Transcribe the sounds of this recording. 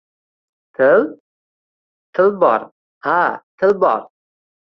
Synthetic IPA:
t̪ʰɪl | t̪ʰɪlbɒ̰ɾ | hat̪ʰɪlbɒ̰ɾ

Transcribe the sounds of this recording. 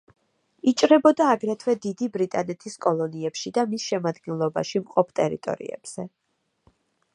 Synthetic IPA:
it͡ʃʼɾɛbɔd̪aːɡɾɛt̪ʰwɛd̪id̪ibɾit̪ʼanɛt̪ʰiskʼɔlˠɔniɛpʃid̪amisʃɛmad̪ɡɛnlˠɔba̰ʃimqʼɔpʰt̪ʼɛɾḭt̪ʼɔ̰ɾḭɛ̰b̥z̥ɛ

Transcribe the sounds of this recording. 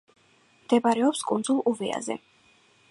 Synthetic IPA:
md̪̥ɛbaɾɛɔpskʼund̪zulˠuvia̰zɛ̰

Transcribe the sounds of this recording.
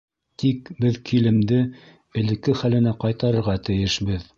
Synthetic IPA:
t̪ikbɘðkʰilɘ̆md̪ɘ | ɘ̆lɘ̆kːɘχælɘ̆næqɑjt̪ɑɾɤ̆ɾʁɑt̪ɘ̆jɘʃbɘð

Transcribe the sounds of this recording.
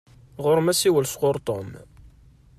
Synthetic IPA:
ʁʊɾmæsiwəlsqoɾˤt̪ˤo̰m

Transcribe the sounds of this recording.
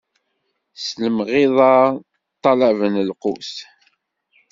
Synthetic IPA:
sləmʁɪðˤɑ | t̪ˤːɑlævənəlqus

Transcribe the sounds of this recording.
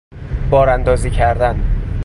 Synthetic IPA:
b̥ɒːɾænd̪ɒːziːcʰæɾd̪æn

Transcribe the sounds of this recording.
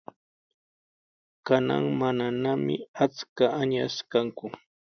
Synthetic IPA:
kana̰ŋmananamɪ̰at͡skaaɲaskaŋkʊ

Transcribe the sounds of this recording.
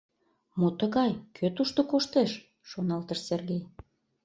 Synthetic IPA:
mot̪əɣɑjkʰøt̪uʃt̪okoʃt̪eʃː | onɑlt̪əʃserɣej

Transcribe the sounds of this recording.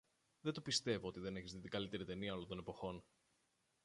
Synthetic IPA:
ðe̞nd̪opist̪e̞voo̞t̪iðe̞neçizðit̪iŋɡɐlit̪e̞ɾit̪e̞niɐo̞lot̪o̞ne̞po̞xo̞n

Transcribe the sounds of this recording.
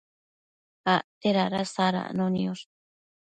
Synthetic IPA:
at̪eɾaɾasaɾa̰nonioɾ

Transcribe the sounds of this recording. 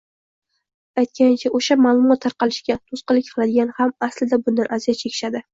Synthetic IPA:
ajt̪̚kʲant͡ʃʰaʔoʃamaːlˠʊmɒt̪ʰːaɑɾqʰɑlɪʃkʲat̪ʰosqɨlɪkʲqʰɨlad̪ɪɡʲanɪhamaslɪd̪abʊnd̪anʔazijɒt͡ʃʰekʲʰɪ̥ʃad̪ɪ

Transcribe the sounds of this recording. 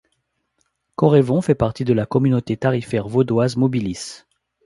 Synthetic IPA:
kɔʁevɔ̃fɛpaʁt̪id̪əlakɔmynot̪et̪aʁifɛʁvod̪wazmɔbilis

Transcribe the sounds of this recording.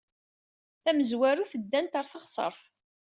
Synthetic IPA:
θæməzwæɾuθəd̪ːænt̪əɾˤθəʁsˤə̰ɾˤf

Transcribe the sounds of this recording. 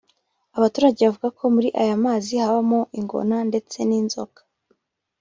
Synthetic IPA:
aβatuːɾaɟe̞βavuɡakʰo̞muɾiʔajamaːzihaβamoʔiŋɡo̰nande̞t͡se̞niːnzo̰kḁ

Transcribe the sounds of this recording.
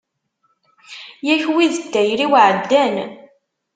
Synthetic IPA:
jæçwiðəd̪ːæjɾiwʕəd̪ːæn

